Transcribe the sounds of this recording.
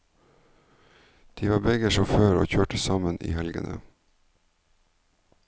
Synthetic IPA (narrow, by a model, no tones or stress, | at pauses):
d̪̥iːʋɑːbɛɡəʃɔføːɾo̰ːçøːʈəsɑmənʔḭːhɛlɡə̰nʔə̰